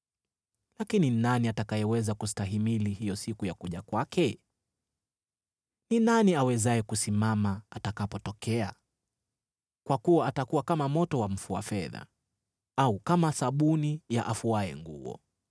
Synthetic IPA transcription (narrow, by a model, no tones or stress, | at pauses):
lakininaniatakajɛwɛzakustaɦimilihijɔsikujakuʄakwakɛ | ninaniawɛzaɛkusimamaːtakapɔtɔkɛa | kwakuwaatakuwakamamɔtɔwam̩fua̰fɛða̰ | aukamasaɓunijaʔafuaɛ̰ŋɡṵɔ̰